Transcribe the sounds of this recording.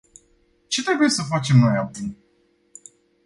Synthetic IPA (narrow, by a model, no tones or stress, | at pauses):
t͡ʃe̞t̪ɾe̞buje̞səfat͡ʃe̞mno̞jabun